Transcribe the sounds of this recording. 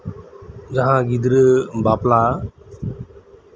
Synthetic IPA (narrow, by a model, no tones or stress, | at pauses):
d͡ʒəɦãːɡɪd̪ɾəbaːplaː